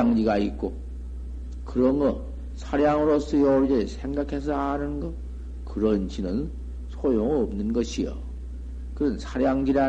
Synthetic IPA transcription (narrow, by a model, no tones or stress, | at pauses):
ŋd͡ʑiɡait̚k͈o | kɯɾʌnɡʌ | sʰaɾjaŋɯɾos͈ʰʌjʌuɭd͡ʑesʰe̞ŋɡakʰe̞s̬ʰʌanɯnnɡʌ | kɯɾʌnd͡ʑinɯn | sʰojoŋɯʌmnɯnɡʌɕʰijo̰ | kɯɾʌnsʰaɾjaŋd͡ʑiɾa